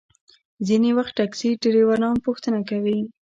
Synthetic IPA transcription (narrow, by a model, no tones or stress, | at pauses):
zinewaxt̪ʈaksiɖeɾewaɾnɑmpuxt̪ənakawi